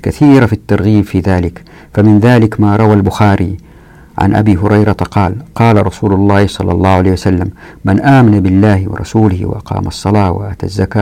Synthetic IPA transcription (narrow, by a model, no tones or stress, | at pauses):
kaθiːɾafit̪ːɑɾˤɣiːmfiðaːlɪk | famɪnðaːlɪkmaːɾˤɑwalbʊxaːɾi | ʕa̰nʔa̰biːɦʊɾˤɑjɾˤɑt̪qɑːlqɑːlaɾˤɑsuːlʊlˤːɑːhsˤɑlːɑ̰lˤːɑːhʕaleːhwasalːamː | anʔaːmanabɪlːaːhwɪ̰ɾˤɑ̰suːlɪhwɪ̰ʔɑ̰qɑ̰ːmʔɑsˤːɑlɑːwa̰ʔat̪a̰zːakaː